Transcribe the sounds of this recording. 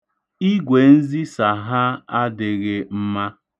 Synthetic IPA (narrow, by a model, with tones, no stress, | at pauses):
i˦ɡʷe˨n̩˦zi˦sa˨ɦa˦a˦dɪ˨ɣɪ˨m̩˦ma˦